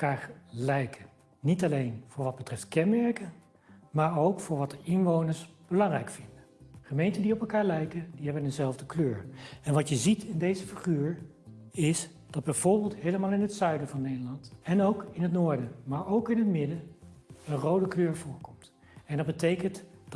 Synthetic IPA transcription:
kaːlɛjkʰə | nitɑlejnv̥ʊːɹʋɑd̚bətrɛftkɛnmɛɹkə | maːɹowkfʊːɹʋɑtəɪnʋownəɹsb̥əlɑŋrɛjkfɪndə | χəmejntəndiɔpɛlˠkaːɹlɛjkədiɦɛbənəzɛlˠvdəkløːɹɛnʋɑtjəzitɪndejzəfiχyːɹ | ɪs | d̥ɑd̚bɛjv̥ʊːɹbɪːlˠtɦejləmaːlˠɪnɦətsœɥdəvɑnːejdəlɑntɛnowkɪnɦət̬nʊːɹdəmaːɹowkɪnɦətmɪdəənrowdəkløːɹvʊːɹkɔmt | ɛndɑd̚bətejkəntd̥

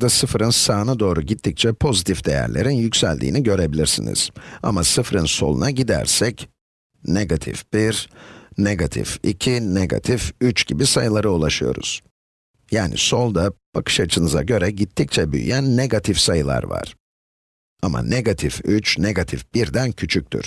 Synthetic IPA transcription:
d̪asɯfɾɯnsaːnad̪o̞ːɾuɟit̪ʰːic̚t͡ʃʰɛpʰo̞zit̪ʰifd̪e̞jæ̰ɾlʲe̞̰ɾinjycsælʲd̪ḭːniɟø̞ɾe̞bilʲiɾsḭnḭz̥a̰masɯfɾɯnso̞̰lˠunaɟid̪æ̰ɾsɛc | neɡat̪ʰḭfb̥iɾneɡat̪ʰḭficʰineɡa̰t̪ʰifyt͡ʃɟibisajɯlˠaɾɯulˠaʃɯjo̞̰ɾṵz̥ | jaːnḭso̞lˠd̪ab̥akʰɯ̥ʃat͡ʃʰɯnɯza̰ɟø̞ɾɛɟit̪ʰːic̚t͡ʃʰɛby̰j̰jænːe̞ɡat̪ʰifsajɯlˠa̰ɾva̰ɾ̥ | ama̰ne̞ɡat̪ʰifyt͡ʃne̞ɡat̪ʰifb̥iɾd̪æncʰyt͡ʃʰyc̚ʲt̪ʰy̰ɾ̥

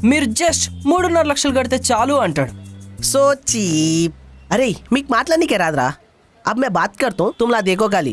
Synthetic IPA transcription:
mɪɾd͡ʒesʈmʊɽnɐɾlɐkʃəlɡɐɽt̪et͡ʃaːluɐɳʈəɽsoːt͡ʃiːp̚ɐɾeːimikmaːt̪lanikeɾaːd̪ɾa̰ː | ɐbmɛ̃baːt̪̚kɐɾt̪aɦũt̪ʊmlad̪eːkʰokaːlḭː

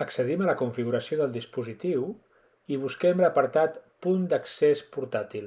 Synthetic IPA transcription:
əksəðimələkuɱfiɣuɾəsioðəlˠd̪ispuzit̪iw | iβ̞uskɛmləpəɾt̪at̪pund̪əksespuɾt̪at̪ilˠ

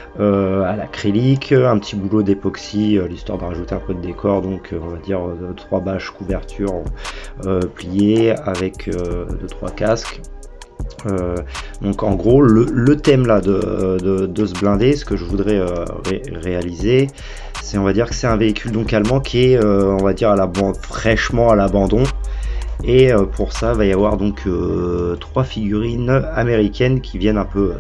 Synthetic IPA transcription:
øalakχelikʰɛ̃pət̪ibulod̪epɔksiølist̪wa̰ʁd̪əʁaʒut̪eɛ̃pød̪əd̪ekʰɔʁd̪ɔ̃kʰøɔ̃vad̪iʁøət̪χwabaʃkuvɛʁt̪ʰyʁ | øplijeavɛkʰød̪ət̪χwa̰kask | ød̪ɔ̃kɑ̃ɡʁolələt̪ɛmlad̪əd̪əd̪əsəblɛ̃d̪esə̥kəʒəvud̪ʁɛøʁe | ʁealize | sɛɔ̃vad̪iʁkə̥sɛt̪ɛ̃veikʲʰyld̪ɔ̃kalmɑ̃kʲʰiɛøɔ̃vad̪iʁalabɑ̃fχɛʃmɑ̃alabɑ̃d̪ɔ̃ | eøpʰuʁsavajavwaʁd̪ɔ̃kʰøt̪χwafiɡʲyʁinameʁikʲɛnkʲivjɛnɛ̃pø

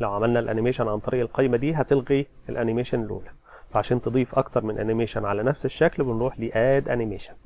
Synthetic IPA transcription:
læwʕamælnælʔæ̰nɪmeːʃænʕant̪ˤɑɾiːʔelqɑjmæd̪iːɦæt̪elɣi | elʔænɪmeːʃænlʔṵːlæ | fæʕaʃæːnt̪ɨd̪ˤiːfʔɑkt̪ɑɾˤmɪnʔæ̰nɪmeːʃænʕalænæfseʃːæklbɪnɾuːħliːʔæːd̪ʔæ̰nimeːʃḁn

